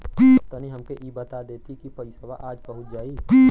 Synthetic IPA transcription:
t̪əniɦɐmkeʔiːbɐt̪ad̪eːt̪ikipɐɪsaba̰ʔaːd͡ʒbɐɦʊt̪̚d͡ʒaːi

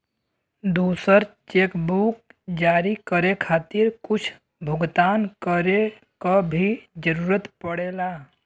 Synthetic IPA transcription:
d̪uːsəɾt͡ʃeːkbuk̚d͡ʒaːɾikəɾekʰaːt̪ɪɾkʊt͡ʃʰ | bʱʊɡt̪aːnkəɾe | kabʱid͡ʒəɾuːɾət̪pəɽeːlaː

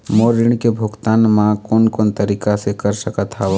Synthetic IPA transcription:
moːɾɪɳ̃kebʱʊɡt̪aːnmãkoːnkoːnt̪əɾiːkasekəɾsəkət̪ʰaʋ

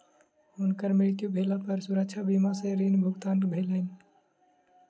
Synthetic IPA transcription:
unkəɾmiɭkjubʱelapəɾsuɾək̚t͡ʃʰabimasẽɾinbʱuɡt̪anbʱelən

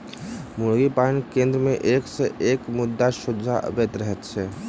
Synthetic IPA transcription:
mʊɾɡipankẽːnd̪ɾəmẽʔeːkseʔeːkmʊd̪ːaʃʊd͡ʒʱaʔə̰bet̪ɾəɦɛt̪t͡ʃʰɛː

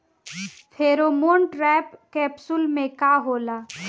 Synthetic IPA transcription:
pʰeːɾoːmoːnʈɾɛːpkɛːpsʊlmẽkaːɦoːlaː

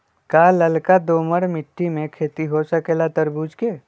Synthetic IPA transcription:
kaːlɐlkad̪oːməɽmɪʈːimẽkʰeːt̪iɦosəkelat̪əɾbuːd͡ʒkeː

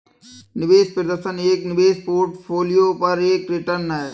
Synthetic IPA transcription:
nɪʋeːspɪɾd̪ɐsɐneːk̚nɪʋeːspoːʈfʰoːlijoːpɐɾeːkɾɪʈɐnː

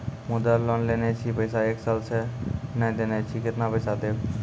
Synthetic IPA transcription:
mʊd̪alːɔːnleːnet͡ʃʰipəɪsaeːksalsenə̃d̪eːnet͡ʃʰikɪt̪napəɪsat̪eː

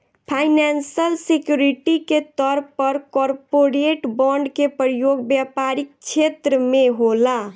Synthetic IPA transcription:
pʰajnansəlsekjuɾiʈiket̪ɔɾppɔɾkɔɾpoɾeʈbɔɳɖkepɾəjoɡbjapaɾik̚t͡ʃʰet̪ɾəmeɦola

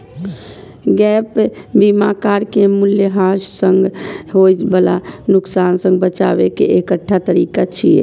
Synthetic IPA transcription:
ɡɛpbimakaɾkemuljəɦaʃsəŋɡɦojd͡ʒbəla̰nʊksansə̃ŋɡbət͡ʃa̰bekḛʔekəʈʰːat̪əɾikat͡ʃʰiḛ

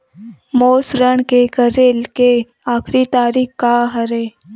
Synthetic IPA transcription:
moːsɾəɳ̃kekəɾeːlke | aːkʰɾit̪aːɾiːkkaɦəɾeː

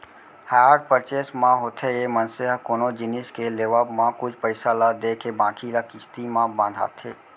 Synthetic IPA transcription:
haːaɾɖ̚pəɾt͡ʃeːsmãɦot̪ʰejemə̃nseɦakoːnod͡ʒɪnɪskeleːʋaːbmãkʊt͡ʃʰpəɪsalad̪eːkʰebãːkʰiɾakɪst̪imãbãːnd̪ʱa̰ːt̪ʰeː

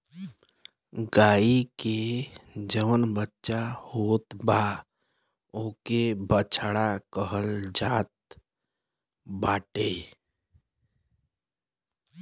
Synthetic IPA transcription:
ɡaːike | d͡ʒəʋənbətːʃahoːt̪ba | okebət͡ʃʰɽakəɦəld͡ʒaːt̪̚ | baːʈe

